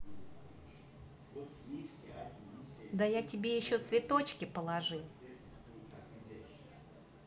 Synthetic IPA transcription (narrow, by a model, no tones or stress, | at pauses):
d̪əjatʲɪbʲe̞jɪɕːo̞t̪svʲɪt̪o̞t͡ɕkʲɪpəlˠɐʐɨ